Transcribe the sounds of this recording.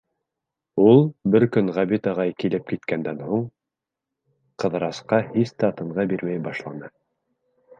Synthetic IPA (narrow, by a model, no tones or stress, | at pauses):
ulˠbɘɾkɵŋʁæβit̪ɤ̆ʁɑjkilɘp̚kit̪kænd̪ænhuɴ | qɤ̆ðɾɑsqɑhist̪ːt̪ɤ̆ɴʁɑbiɾmæjbɑʃlˠɑnɤ